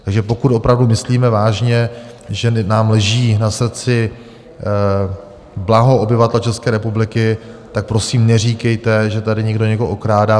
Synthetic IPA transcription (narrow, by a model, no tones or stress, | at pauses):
t̪aɡʒɛpo̞kut̪ʔo̞pɾavdumɪsliːmɛvaːʒɲɛ | ʒɛnaːmlɛʒiːnasr̩t͡sɪ | blaɦo̞ʔobɪvat̪ɛlɛt͡ʃɛskɛːɾɛpublɪkɪt̪ak̚pɾo̞siːmnɛr̝iːkɛjt̪ɛʒɛt̪adɪɲɛɡdo̞ɲɛkoʔokɾaːda